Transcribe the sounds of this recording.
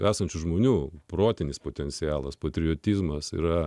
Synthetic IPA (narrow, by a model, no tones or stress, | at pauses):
æːsɐnʲt͡ʃʲuʒmoːnʲuːpɾoːt̪ʲɪnʲɪspot̪ʲɛnʲt̪sʲɪjɑːlˠɐspɐt̪ʲɾʲɪoːt̪ʲiːzmɐsḭːɾɐ